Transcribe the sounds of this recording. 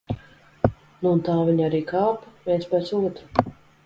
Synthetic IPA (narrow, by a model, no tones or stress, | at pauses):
nuːnt̪aːvʲiɲaɾiːkaːpvʲiɛnspɛt̪suɔt̪ɾu